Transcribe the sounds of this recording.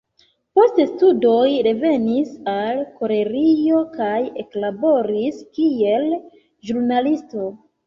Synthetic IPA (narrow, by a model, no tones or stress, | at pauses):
po̞stestudo̞jɾe̞ve̞nisalko̞ɾe̞ɾio̞kaje̞klabo̞ɾiskie̞l | ʒuɾnalisto̞